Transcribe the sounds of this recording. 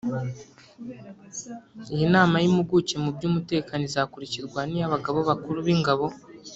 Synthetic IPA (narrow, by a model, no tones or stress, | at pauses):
ijinaːmajimuɡuce̞mubɟuːmute̞ːkanizakuɾiciɾɡwanijaβaɡaβo̞βakuɾuβiŋɡaβo̞